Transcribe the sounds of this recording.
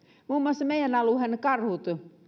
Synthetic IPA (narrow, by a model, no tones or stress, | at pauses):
muːmːuoɑsːɑmeijænɑluhenekɑrhut̪